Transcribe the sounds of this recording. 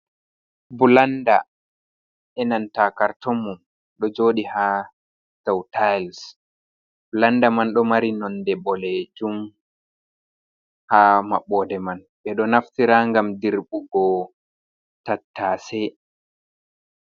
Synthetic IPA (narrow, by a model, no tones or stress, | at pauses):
bulanda̰ | ɛnantakaɾtɔmːum | ɗɔd͡ʒoːɗiha | tawtajls | bulandamanɗɔmaɾinɔndɛbɔled͡ʒum | hamaɓːɔdɛman | ɓɛɗɔnaftiɾaŋɡamdiɾɓuɡɔ | tatʰːaːsɛ